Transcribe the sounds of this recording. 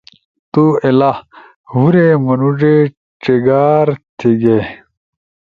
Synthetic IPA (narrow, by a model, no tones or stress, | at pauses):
t̪uela | ɦuɾemɐnuʐe | ʈ͡ʂiɡaːɾt̪ʰiɡe